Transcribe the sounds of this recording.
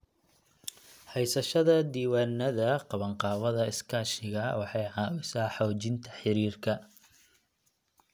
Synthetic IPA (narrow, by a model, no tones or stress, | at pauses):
hɛjsɐʃɐðɐd̪iːwaːnːɐðɐqɑβɐɴqɑːwɐðɐɪskʰaːʃɪɣɐwɑħɑjʕɑːwɪsaːħɔːt͡ʃɪnt̪ʰɐ̥ħɪɾiːrkʰɐ